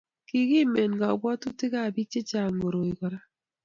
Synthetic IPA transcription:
ki˨ki˦me˨nɡa˨bwɔ˦tu˦tɪ˦ka˦˨bi˦t͡ʃe˦t͡ʃa˨ŋo˨ɾo˨i˨kɔ˨ɾa˦

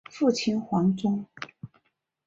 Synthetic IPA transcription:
fu˥˩t͡ɕʰi˥nxwɑ˧˥ŋʈ͡ʂʊ˥ŋ

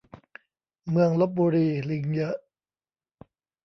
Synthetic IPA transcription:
mɯ˧əŋlo˦˥p̚buː˧ɾiː˧li˧ŋjɤ˦˥ʔ

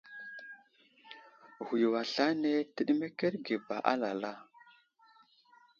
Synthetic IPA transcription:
hu˨jwa˨ɬa˦ne˦tə˦ɗi˦me˦ke˦ɾɡe˨ba˨ʔa̰˦la˨la˦

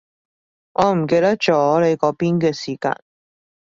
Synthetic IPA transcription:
ŋʔɔː˨˧m̩˨˩ke˧jt̪ɐ˥k̚t͡ʃɔː˨˥le˨˧jkɔː˨˧˥piː˥nkɛː˧siː˨˩ka̰ː˧n

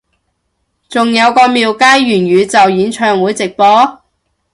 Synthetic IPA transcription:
t͡sʊ˨ŋjɐ˨˧wkɔː˧miː˨wkaː˥jːyː˨˩nɥyː˨˧t͡sɐ˨wjiː˨˥nt͡ʃʰœː˨ŋwuː˨˥jt͡sɪ˨k̚pɔː˨˥

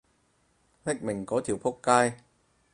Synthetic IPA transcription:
ne˦˥k̚mɪ˨˩ŋkɔː˨˥t̪ʰi˨˩wpʰʊ˥kːaː˧j

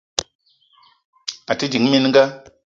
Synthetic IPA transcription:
a˨ti˦d͡ʒi˨˦ŋ˦mi˧nŋɡa˦

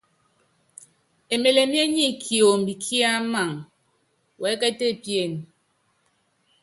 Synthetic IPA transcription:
e˨me˨le˨mje˦ɲi˦kʰi˨o˨m˨bi˨kʰi˦a˦ma˨ŋ | wɛ˨˦kɛ˦te˦˨pje˦˨n

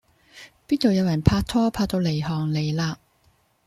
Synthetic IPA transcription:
piː˥t̚t̪o˨wjɐ˨˧wjɐ˨˩npʰaː˧k̚t̪ʰɔː˥pʰaː˧k̚t̪o˧wle˨˩jɦɔː˨˩ŋle˨˩jlaː˧

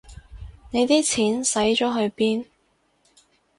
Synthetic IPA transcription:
ne˨˧jt̪iː˥t͡sʰiː˨˥nsɐ˨˥jt͡ʃɔː˨˥ɦɵ˧ɥpiː˥n

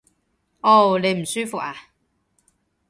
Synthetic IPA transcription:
o˥˧˩wle˨˧jm̩˨˩syː˥fʊ˨k̚aː˨

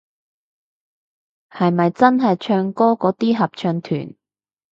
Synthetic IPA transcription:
hɐ˨jmɐ˨jt͡sɐ˥nɦɐ˨jt͡ʃʰœː˧ŋkɔː˥kɔː˨˥t̪iː˥ɦɐ˨p̚t͡ʃʰœː˧ŋt̪ʰy̰ː˨˩n

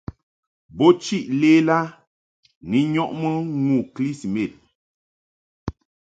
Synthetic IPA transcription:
bo˦t͡ʃi˦˨ʔleː˦la˦ | ni˨˦ɲɔ˦ʔmə˦ŋu˨kli˦si˨me˨t̚

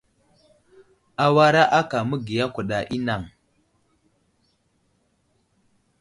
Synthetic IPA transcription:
a˦wa˦ɾa˦ʔa˦ka˨mu˦ɡi˨ja˦kʷu˨ɗa˨ʔi˦na˨ŋ

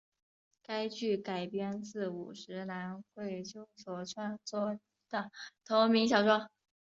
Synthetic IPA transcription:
ka˥ɪt͡ɕy˥˩ka˨˩ɪpjɛ˥nt͡sɹ̩˥˩ṵ˨˩ʂɻ̩˧˥na˧˥nxwe˥˩ɪt͡ɕjo˥˩ʊswɔ˨˩ʈ͡ʂʰwa˥nt͡swɔ˥˩ | d̪̥ə˨˩t̪ʰo˧˥ʊmi˧˥ŋɕjɑ˨˩ʊʈ͡ʂwɑ˥

